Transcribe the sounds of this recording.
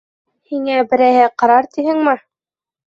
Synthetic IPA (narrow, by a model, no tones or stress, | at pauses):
hiŋæbɘ̆ɾæhɘqɑɾɑɾt̪ihɘŋmɘ